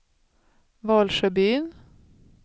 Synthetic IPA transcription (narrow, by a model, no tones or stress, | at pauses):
vɑːlʂœbyːn